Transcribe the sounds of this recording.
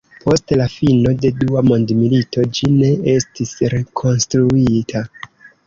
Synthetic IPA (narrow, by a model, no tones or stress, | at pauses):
pʰo̞stlafino̞de̞duamo̞ndmilito̞d͡ʒine̞e̞stisɾe̞kʰo̞nstɾuitʰa